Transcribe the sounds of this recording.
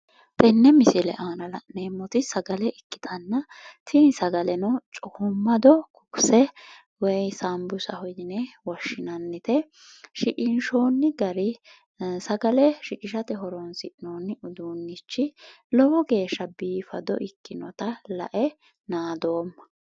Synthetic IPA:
t̪ʼɛnːɛmɪsɪlɛ̰ʔaːnɐlɐneːmːɔt̪ɪsɐɡɐlɛɪkːɪ̥t̪ʰɐnːɐ | t̪ʰɪːsɐɡɐlɛnɔt͡ʃʼɔhʊmːɐd̪ɔkʊkʊsɛ | wɛjsambʊsɐhʊjɪnɛwɐʃːɪnɐnːɪt̪ɛ | ʃɪʔɪnʃoːnːɪɡɐɾɪ | sɐɡɐlɛʃɪʔɪʃɐt̪ɛɦɔɾɔnsɪʔɪnoːnːɪʊd̪uːnːɪt͡ʃːɪ | lɔwɔɡe̞ːʃːɐbiːfɐd̪ɔ̰ʔɪkːɪnɔt̪ɐlɐ̰ʔɛ | naːd̪o̞ːmːɐ

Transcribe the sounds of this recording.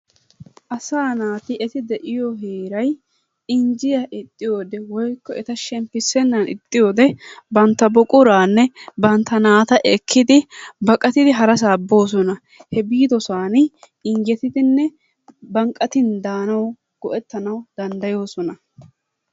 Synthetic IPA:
ʔɐsaːnaːt̪ɪʔɛt̪ɪd̪ɛʔɪjɔɦeːɾɐj | ɪnd͡ʒɪjɐʔɪt̪ʼːɪjo̞ːd̪ɛwɔjkːɔɛt̪ɐʃɛmpɪsːɛnːɐnɪ̰t̪ʼːɪjoːd̪ɛbɐnt̪ːɐbɔkʼʊɾaːnːɛbɐnt̪ːɐnaːt̪ɐʔɛkʰːɪd̪ɪbɐkʼɐt̪ɪd̪ɪɦɐɾɐs̬aːbːo̞ːs̬ɔnɐ | hɛbiːt̪ɔsaːn | ɪŋɡɛt̪ɪd̪ɪnːɛ | bɐŋkʼːɐt̪ɪnd̪aːnɐw | ɡ̥ɔʔɛt̪ːɐnɐwd̪̥ɐnd̪ɐjo̞ːsɔnɐ

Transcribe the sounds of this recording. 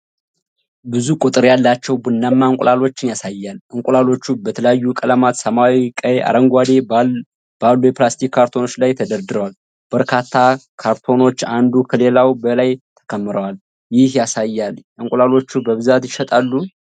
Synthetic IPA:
bɨzukʼut̪ʼɨɾjalːat͡ʃːɛwbɨnːamːaɨŋkʼlalo̞t͡ʃːɪnjasajːalʔɨŋkʼulalo̞t͡ʃːubət̪ʰələjajːukʼələmat̪səmawikʼəja̰ɾəŋɡʷad̪e̞ | b̥alːujɛpʰlast̪ʰikʰːaɾt̪ʰo̞no̞t͡ʃːlajt̪ʰəd̪əɾd̪ɨɾəwal | b̥əɾkʰat̪ʰːa | kʰaɾt̪ʰo̞no̞t͡ʃːand̪ukʰəle̞lawbəlajt̪ʰə̥kʰəmːɨɾəwal | jɪhjasajːalʔɨŋkʼulalo̞t͡ʃːubəβɨzat̪jɪʃɛt̪ʼalːu

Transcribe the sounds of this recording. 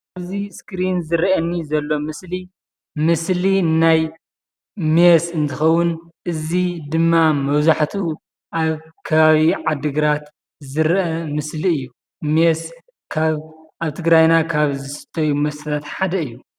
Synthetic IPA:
aβziskɾinzɨɾʔɐnːizɐlːo̞mɨsli | mɨslinaj | mesɨnt̪ʰɨxɐwʊnʔɨzid̪ɨmːamɐwzaħt̪ʰu | ʔaβkʰɐβaβiʕad̪ɨɡɾat̪ | zɨɾʔɐmɨsliɨjːu | mes | kʰaβʔaβt̪ʰɨɡɾajnakʰaβzɨsɨ̥t̪ʰːɐjumɐslat̪ħad̪ɐɨjːu

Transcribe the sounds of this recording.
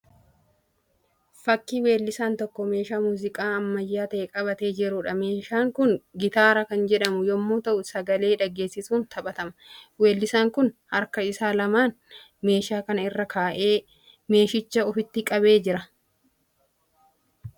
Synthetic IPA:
fɐkːiːwe̞ːlːɪsaːnt̪ɔkːɔme̞ːʃaːmuːzɪkʼaːɐmːɐjːaːt̪ɐʔekʼɐβɐt̪e̞ːd͡ʒɪɾuːᶑɐme̞ːʃaːŋkʊŋɡɪt̪aːɾɐkɐnd͡ʒɛᶑɐmʊjɔmːoːt̪ɐʔʊsɐɡɐle̞ːᶑɐɡːe̞ːsːɪsuːnt̪ʰɐɓɐt̪ɐmɐwe̞ːlːɪsaːŋkʊnhɐɾkɐɪsaːlɐmaːn | me̞ːʃaːkɐnɐɪrːɐkʰaːʔe̞ː | me̞ːʃɪt͡ʃːɐɔfɪt̪ːɪkʼɐbe̞ːd͡ʒɪɾɐ

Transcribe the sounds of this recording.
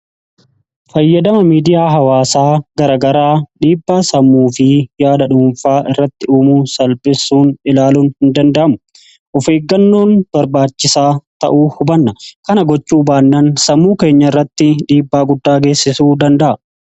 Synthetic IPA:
fɐjːɐd̪ɐmɐmiːd̪ɪjaːɦɐwaːsaːɡɐɾɐɡɐɾaːᶑiːbːaːsɐmːuːfɪjaːd̪ɐᶑʊnfaːʔɪrːɐt̪ːɪʔuːmuːsɐlbɪsuːnɪlaːluːnhɪnd̪ɐnd̪ɐʔɐmʊ | ʔɔfeːɡːɐnːo̞ːnb̥ɐɾbaːt͡ʃːɪsaːt̪ɐ̰ʔuːhʊbɐnːɐkɐnɐɡɔt͡ʃːuːbaːnːɐnsɐmːuːke̞ːɲːɐɪrːɐt̪ːɪᶑiːbːaːɡʊd̪ːaːɡe̞ːsːɪsuːd̪ɐnd̪ɐʔɐ

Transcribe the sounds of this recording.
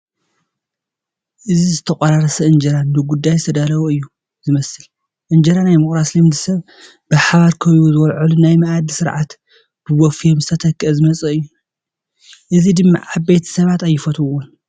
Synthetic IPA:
ʔɨzizɨt̪ʰɐkʼɐɾaɾɐsɐʔɨnd͡ʒɐɾanːɨɡud̪ːajɨst̪ʰɐd̪alɐwoɨjːu | zɨmɐsɨl | ʔɨnd͡ʒɐɾanajmokʼɾasilɨmd̪ɨsɐβ | b̥ɨħaβaɾkʰɐwwuzɨwɔlʕolunajmɐʔad̪isɨɾʕa̰t̪ | b̥ɨwɔfijomzɨ̥t̪ʰɐt̪ʰɐkʰʼːɨʔzɨmɐt͡sʼɨɨjːu | ʔɨzid̪ɨmːa̰ʕaβbet̪ʰi̥sɐβat̪ajːɪfɐt̪ʰuwun

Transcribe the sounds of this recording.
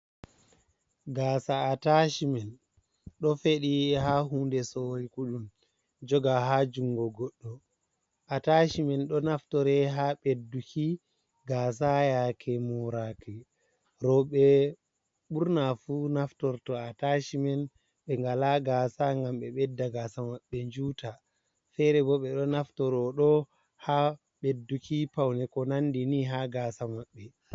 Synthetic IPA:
ɡaːsaːtaʃimɛn | ɗɔfeɗihaɦuːndɛsoɾikuɗum | d͡ʒɔɡaɦad͡ʒuŋɡɔɡɔɗːɔ | ʔataʃimɛnɗɔnaftɔɾɛɦaɓedːuki | ɡaːs̬ajakʰɛmɔɾakʰɛ | ɾɔɓɛ | ɓuɾnafunaftɔɾtɔataʃimɛn | ɓɛŋɡalaɡaːsaŋɡamɓɛɓɛdːaɡasamaɓːɛɲd͡ʒuta | fɛɾɛbɔɓɛɗɔnaftɔɾɔɗɔ | ha | ɓedːukipawnɛkɔnandiniɦaɡaːsamaɓːɛ

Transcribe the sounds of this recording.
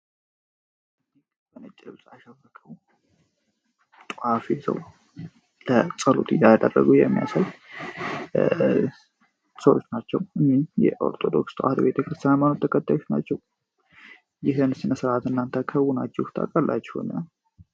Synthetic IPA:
ɨni | bənət͡ʃʼːɪlsʼaʃəβəkʰəw | t̪ʼafisə̰w | lət͡sʼəlut̪ʼɨjad̪ərːə̰ɡujɛmːija̰saj | səwo̞t͡ʃnat͡ʃːɛwɨnːijɛ̰ʔo̞̰ɾt̪ʰo̞d̪o̞̰kst̪ʰʔa̰hɨlbet̪ʰəkɾɨst̪jamanot̪ːʰəkʰət̪ʰːajot͡ʃnat͡ʃːɛw | jɪhɨnɨsɨnəsəɾat̪ɨnːant̪ʰəkʰəwːunat͡ʃːɛwt̪ʰa̰kʼəlʔa̰t͡ʃːɛhɨ̰nːa

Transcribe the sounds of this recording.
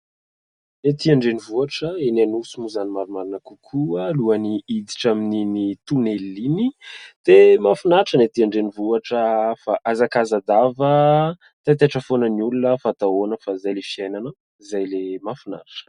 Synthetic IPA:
net̪iaɳɖ͡ʐenivuaʈ͡ʂəenianusumuzanimaɾumaɾinəkukʰuəluaniid̪i̥ʈ͡ʂamininit̪unelːinid̪̥emafinaʈ͡ʂənet̪iaɳɖ͡ʐenivuaʈ͡ʂəfaʔazakazad̪avə | t̪at̪eaʈ͡ʂəfonəniulunəfat̪aonəfaizajlefiajnanə | izajlemafina̰ɾiʈ͡ʂə̥

